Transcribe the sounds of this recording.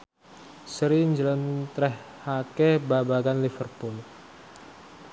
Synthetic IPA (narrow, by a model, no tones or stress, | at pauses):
səɾiɲd͡ʒələnt̪ɾɛhːakɛbabaɡanlifərpʊl